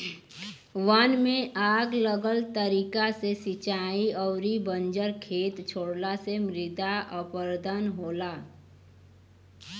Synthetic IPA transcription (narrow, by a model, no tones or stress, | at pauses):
ʋənmẽʔaːɡləɡəlt̪əɾiːkasesɪt͡ʃaːiɔːɾibə̃nd͡ʒəɾkʰeːt̪t͡ʃʰoːɽlasemɾɪd̪aʔəpəɾd̪ənɦoːlaː